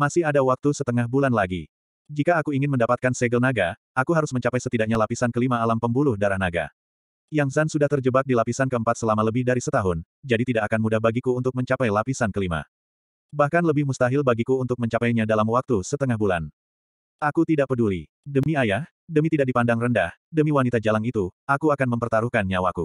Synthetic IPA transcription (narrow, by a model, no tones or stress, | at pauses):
masɪɦadawak̚t̪usət̪əŋahbulanlaɡḭ | d͡ʒikaːkuiŋɪnməndapat̪̚kansɛɡəlnaɡa | akuɦaɾʊsməɲt͡ʃapajsət̪idak̚ɲalapisankəlimaːlampəmbulʊhdaɾahnaɡa̰ | jaŋsansudaht̪ərd͡ʒəbak̚dilapisankəəmpat̪səlamaləbɪhdaɾisət̪aɦʊn | d͡ʒadit̪idaʔakanmudahbaɡikuːnt̪ʊk̚məɲt͡ʃapajlapisankəlima̰ | bahkanləbɪhmust̪aɦɪlbaɡikuunt̪ʊk̚məɲt͡ʃapajɲadalamwak̚t̪usət̪əŋahbula̰n | ʔakut̪idaʔ̚pəduli | dəmiajah | dəmit̪idak̚dipandaŋrəndahdəmiwanit̪ad͡ʒalaŋit̪uakuakanməmpərt̪aɾuhkanɲawaku